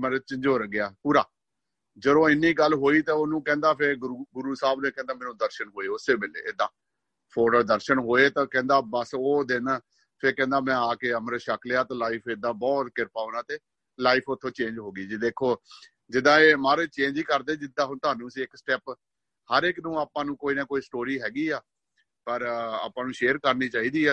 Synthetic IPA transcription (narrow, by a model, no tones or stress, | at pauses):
mɛ̃ːɾet͡ʃɪ̃ɲd͡ʒoːɾəɡɪaːpuːɾa̰ː | d͡ʒəd̪õːɪnːiːɡəlɦoːiːt̪ãːonũːkɛ̃ːnd̪aːpʰɪɾɡʊɾuːsaːbnẽːkɛ̃ːnd̪aːmɛːnũːd̪əɾʃənɦoːeːʊsːeːbeːlḛːed̪ãː | pʰoːɖəɾd̪əɾʃənɦoːeːt̪ãːkɛ̃ːnd̪aːbəsoːd̪ɪn | pʰɪɾkɛ̃ːnd̪aːmɛ̃ːaːkeːəməɾʃəklejaːt̪ãːlaːiːpʰeːd̪ãːbɔːt̪kɪɾpaːoːnaːt̪eː | laːipʰʊt̪ʰːõːt͡ʃẽːnd͡ʒɦoːɡiːd͡ʒid̪eːkʰːoː | d͡ʒɪd̪ːãːeːmaːɾeːt͡ʃẽːnd͡ʒiːkəɾd̪eːd͡ʒɪd̪ːãːɦnt̪ʊɦaːnũːəsiːɪksʈɛːp | həɾɪknũːaːpãːnũːkoːiːnãːkoːiːsʈoːɾiːɦɛːɡiːaː | pəɾa̰ːpãːnũːʃeːəɾkəɾniːt͡ʃaːiːd̪iːɛː